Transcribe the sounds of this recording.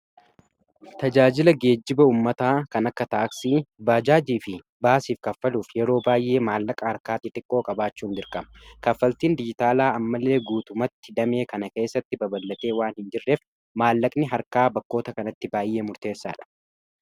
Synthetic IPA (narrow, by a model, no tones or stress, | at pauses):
t̪ɐd͡ʒaːd͡ʒɪlɐɡe̞ːd͡ʒːɪbɐuːmːɐt̪aːkɐnɐkːɐt̪aːksiːbaːd͡ʒaːd͡ʒiːfɪ | baːsiːfkɐfːɐluːfjɛɾo̞ːbaːjʔe̞ːmaːlːɐkʼɐhɐɾkaːt̪ːɪt̪ʼɪkʼːo̞ːkʼɐbaːt͡ʃːuːnd̪ɪɾkʼɐmɐkɐfːɐlt̪iːnd̪ɪd͡ʒɪt̪aːlaːɐmːɐlːe̞ːɡuːt̪ʊmɐt̪ːɪd̪ɐme̞ːkɐnɐke̞ːsːɐt̪ːɪbɐbɐlːɐt̪e̞ːwaːnhɪnd͡ʒɪrːe̞ːf | maːlːɐkʼnɪɦɐɾkaːbɐkːo̞ːt̪ɐkɐnɐt̪ːɪbaːjːe̞ːmʊɾt̪e̞ːsːa̰ːᶑɐ̥